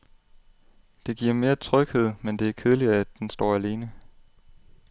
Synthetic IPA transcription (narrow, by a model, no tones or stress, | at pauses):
d̥e̝ɡ̥iɐ̰me̝ːɐt͡sʰʁœɡ̥he̝ð̞̰ˠmend̥e̝æɐkʰeðˠliɐæd̥ːensd̥ɒ̰ːæle̝ːnə